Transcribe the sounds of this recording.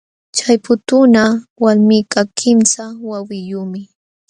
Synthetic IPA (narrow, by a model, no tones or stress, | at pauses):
t͡ʃajpʊt̪ʊnawalmikakʰɪmsawawɪjuːmɪ